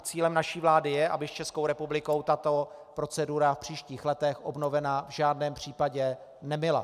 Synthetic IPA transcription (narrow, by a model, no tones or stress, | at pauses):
t͡siːlɛmnaʃiːvlaːdɪjɛʔabɪst͡ʃɛskowɾɛpublɪko̞wt̪at̪o̞pɾo̞t͡sɛduɾafpr̝̥iːʃciːxlɛt̪ɛxʔobno̞vɛnavʒaːdnɛːmpr̝̥iːpaɟɛ | nɛmɪla̰